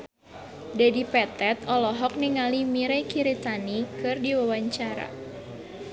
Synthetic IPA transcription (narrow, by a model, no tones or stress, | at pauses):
dadipɛt̪ɛt̪ɔlɔɦɔk̚niŋalimiɾɛkiɾit̪anikɨrdiwawaɲt͡ʃaɾa̰